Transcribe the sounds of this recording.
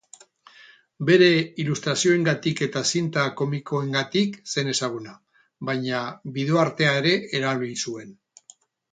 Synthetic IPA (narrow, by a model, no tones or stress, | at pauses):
be̞ɾe̞ilust̪ɾasio̞e̞ŋɡat̪ike̞t̪asint̪ako̞miko̞e̞ŋɡat̪ikse̞ne̞saɣ̞una | βajɲaβiðo̞aɾt̪e̞ae̞ɾe̞eɾalisue̞n